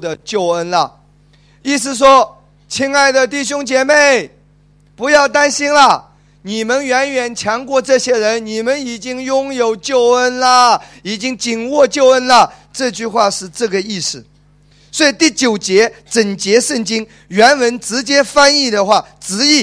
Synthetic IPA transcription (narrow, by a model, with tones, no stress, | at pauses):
d̪ə˨t͡ɕjo˥˩ʊə˥nlə˨ | i˥˩sɹ̩˧˩ʂ̬wɔ˥ | t͡ɕʰi˥ŋa˥˩ɪd̪ə˩t̪̬i˥˩ɕ̬jʊ˥ŋt͡ɕjɛ˨˩me˥˩ɪ | pu˧˥jɑ˥˩ʊt̪a˥nɕi˥nlə˨ | ni˨˩mə˦nɥɛ˧˥nɥɛ˨˩nt͡ɕʰjɑ˧˥ŋkwɔ˥˧ʈ͡ʂɤ˥˩ɕjɛ˥ɻə˧˥nni˨˩mə˦ni˨˩t͡ɕi˥ŋjʊ˥ŋjo˨˩ʊt͡ɕjo˥˩ʊə˥nlə˨i˨˩t͡ɕi˥ŋt͡ɕi˨˩ŋwɔ˥˧t͡ɕjo˥˩ʊə˥nlə˨ | ʈ͡ʂɤ˥˧t͡ɕy˥˧xwa˥˧ʂɻ̩˥˧ʈ͡ʂɤ˥˩ɡə˩i˥˩sɹ̩˨˩ | swɔ˧˥i˨˧˥t̪i˥˩t͡ɕjo˨˩ʊt͡ɕjɛ˧˥ʈ͡ʂə˨˩ŋt͡ɕjɛ˧˥ʂə˥˩ŋt͡ɕi˥ŋ | ɥɛ˧˥nwə˧˥nʈ͡ʂɻ̩˧˥t͡ɕjɛ˥fa˥ni˥˩d̪ə˩˨xwa˥˩ | ʈ͡ʂɻ̩˧˥i˥˩